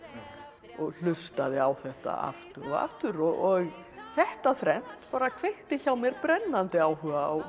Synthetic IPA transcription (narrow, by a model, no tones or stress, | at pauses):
ɔɣl̥ʏst̪aðɪawθɛht̪a̰a̰ft̪ʏɾɔɣa̰ft̪ʏɾɔɣɔɣ | θɛht̪aθɾɛn̥t̪paːɾakʰveht̪ɪçaːwmɛɾpɾɛnːant̪ɪawhʏɣaːw